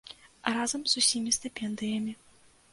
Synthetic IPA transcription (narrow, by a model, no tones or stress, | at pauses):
razɐmz̥usʲimʲist̪ɨpʲɛnd̪ɨjɐmʲi